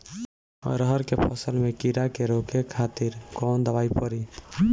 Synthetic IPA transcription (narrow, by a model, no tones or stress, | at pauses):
ɾəɦəɾkepʰəsəlmekiɾakeɾokʰekʰat̪iɾkɔnd̪əβajpəɾi